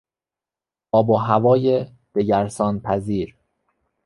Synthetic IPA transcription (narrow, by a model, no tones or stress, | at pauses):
ɒːboɦævɒːje | d̪̥e̞ɟæɾsɒːnpʰæziːɾ